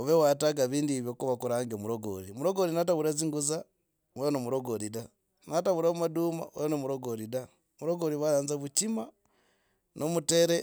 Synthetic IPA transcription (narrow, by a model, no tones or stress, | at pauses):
oβewataɡaβiːndiβjokuβakuɾaːŋɡeomuɾoɡo̰ɾimuɾoɡoɾinataβuɾaziŋɡuza | wenomuɾoɡoɾida | nataβuɾaumaduma̰wejnomuɾoɡoɾida | muɾoɡoɾiβaɾaːnzaβucima | nʔomuteɾe